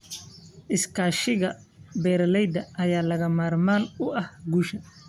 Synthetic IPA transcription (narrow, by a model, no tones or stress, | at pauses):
ʔɪskʰaːʃɪɣɐ | bɛːɾlɛjd̪ɐʔɐjaːlɐɣɐmaːrmaːnʊɐhɡuːʃɐ